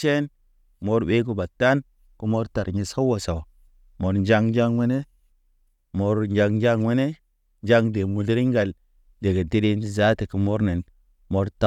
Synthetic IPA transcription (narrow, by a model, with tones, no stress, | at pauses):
t͡ʃe˦n | mo˦ɾɓe˦k̬u˦ba˨tːa˦n | ku˦mo˦ɾta˨ɾɲi˨sa˦wo˨sa˨wa˨ | mo˨ɾd͡ʒa˦ŋd͡ʒa˦ŋwe˦ne˦ | mo˨ɾd͡ʒa˨ŋ˦d͡ʒa˦ŋwe˦ne˦ | d͡ʒa˦ŋde˨mu˨li˦ɾi˦ŋɡa˨l | de˨ɡe˨ti˦ɾi˦n˦i˦za˦ti˨ku˨mo˦ɾne˨n | mo˦ɾta˨